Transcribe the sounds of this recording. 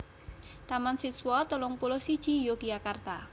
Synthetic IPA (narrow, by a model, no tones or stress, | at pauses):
t̪amansit̪swat̪əlʊŋpulʊhsid̥ʒ̥ijoɡ̥ijakart̪a